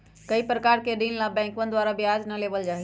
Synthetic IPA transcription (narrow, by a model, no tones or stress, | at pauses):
kɐipɾəkaːɾkeɗiːnlãbɛ̃ːŋkən̆d̪waːɾabɪjaːznɐleːʋəld͡ʒaːɦi